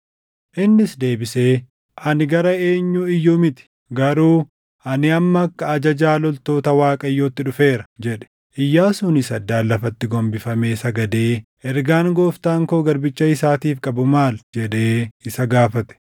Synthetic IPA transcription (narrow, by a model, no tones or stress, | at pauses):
ʔɪnːɪsd̪e̞ːbɪse̞ː | ʔɐnɪɡɐɾɐe̞ːɲːʊɪjːʊmɪt̪ɪ̥ | ɡɐɾuː | ʔɐnɪɐmːɐːkːɐːd͡ʒɐd͡ʒaːlɔlt̪o̞ːt̪ɐwaːkʼɐjːoːt̪ːɪᶑʊfe̞ːɾɐ̥d͡ʒɛᶑɛ̥ | ʔɪjːaːsʊnɪsɐd̪ːaːlːɐfɐt̪ːɪɡɔmbɪfɐme̞ːsɐɡɐd̪e̞ːʔɛɾɡaːŋɡoːft̪aːŋkoːɡɐɾbɪt͡ʃːɐɪsaːt̪iːfkʼɐbʊmaːld͡ʒɛᶑe̞ːɪsɐɡaːfɐt̪ɛ̥